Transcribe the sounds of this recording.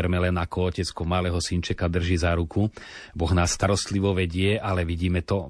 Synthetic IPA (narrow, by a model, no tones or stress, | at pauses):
ɛɾmɛlɛnakɔɔcɛt͡skɔmalɛːɦɔsint͡ʃɛkad̪r̩ʒiːzaɾukubɔɣnaːsːt̪aɾɔst̪liʋɔʋɛɟɪɛʔalɛʋiɟiːmɛt̪ɔ